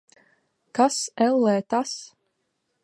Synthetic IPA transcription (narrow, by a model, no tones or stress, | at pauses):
kasɛlˠːɛːt̪as